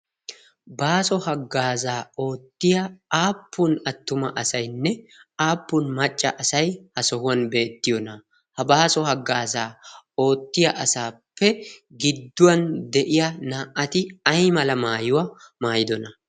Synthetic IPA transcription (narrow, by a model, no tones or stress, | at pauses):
baːsɔhɐɡːaːzaːo̞ːt̪ːɪjɐaːpːʊnɐt̪ːʊmɐʔɐsɐjnːɛaːpːʊnmɐt͡ʃʼːɐ̰ʔɐsɐjhɐsɔhʊwɐnbe̞ːt̪ːɪjɔnɐ | hɐbaːsɔhɐɡːaːzaːo̞ːt̪ːɪjɐʔɐsaːpːɛɡɪd̪ːʊwɐnd̪ɛʔɪjɐnaːʔɐt̪ɪɐjmɐlɐmaːjʊwɐmaːjɪd̪ɔnɐ